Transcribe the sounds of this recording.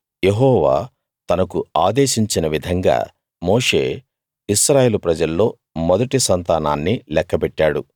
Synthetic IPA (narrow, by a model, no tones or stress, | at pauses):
je̞ɦɔːʋa̰ː | t̪ɐnɐkuaːd̪e̞ːʃiɲt͡ʃinɐʋid̪ʱɐŋɡa̰ː | mo̞ːʂe̞ː | isɾaːjeːlupɾɐd͡ʒɐlːo̞ː | mɔd̪ɐʈisɐnt̪aːnaːnːilɛkːɐpɛʈːaːɽu